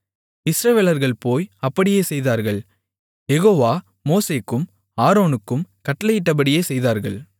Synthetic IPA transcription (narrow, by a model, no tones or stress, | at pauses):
ɪsɾɐʋeːlɐɾɣɐɭpoːjɐpːɐɽɪjeːsɛjðaːɾɣɐɭ | jɛɣoːʋaː | moːseːkːɯm | aːɾoːnɯkːɯmkɐʈːɐlɐjɪʈːɐb̬ɐɽɪjeːsɛjðaːɾɣɐɭ